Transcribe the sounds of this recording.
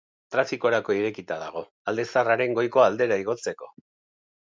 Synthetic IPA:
t̪ɾafiko̞ɾako̞iɾe̞kit̪að̞aɣ̞o̞ | ald̪e̞saraɾe̞ŋɡo̞jko̞ald̪e̞ɾaiɣ̞o̞t͡se̞ko̞

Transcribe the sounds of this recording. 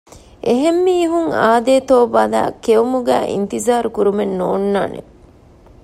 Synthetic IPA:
ʔeɦemːiːɦuŋaːd̪eːt̪oːbɐla̰ːkeumuɡæːʔḭnt̪izaːɾukuɾumenːoːnːaːnḛ

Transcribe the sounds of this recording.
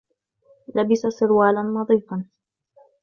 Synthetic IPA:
labɪsasɪɾwaːlanːɑðˤiːfɑn

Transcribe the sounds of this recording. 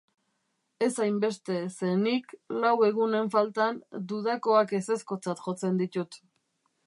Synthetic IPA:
e̞sajmbe̞st̪e̞se̞niklawe̞ɣ̞une̞ɱfalt̪and̪uðako̞ake̞se̞sko̞t͡sat̪ʝo̞t͡se̞nd̪it̪ut̪

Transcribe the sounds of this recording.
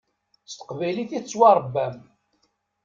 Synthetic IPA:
st̪ə̥qvæjliθit͡sːwɑɾˤbːæm

